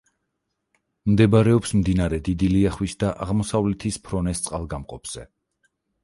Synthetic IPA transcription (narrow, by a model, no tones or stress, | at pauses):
md̪ɛbaɾɛɔpsmd̪inaɾɛd̪id̪iliaχwisd̪aʔaʁmɔsavlɛt̪ʰispʰɾɔnɛst̪sʼqʼalˠɡamqʼɔpʰz̥ɛ